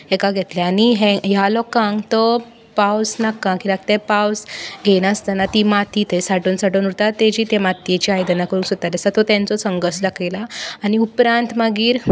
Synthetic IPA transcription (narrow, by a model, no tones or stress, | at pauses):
ekaɡʱet̪leaniɦẽjalɔkãŋɡt̪ɔ | pawsnakãkilaɡ̚t̪epawsɡʱeñast̪anat̪imat̪ʰiːt̪esaʈuːnsaʈonuɾt̪at̪ed͡ʑiːt̪emat̪jet͡ɕiajd̪ənakəɾũŋksut̪at̪asat̪ɔt̪jãnt͡sɔsəŋɡəslakʰelaːniupɾãnt̪maɡiːɾ